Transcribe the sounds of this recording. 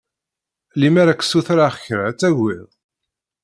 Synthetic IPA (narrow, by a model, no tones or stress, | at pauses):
limaɾækːsuθɾaχçəɾæt͡sːæʝið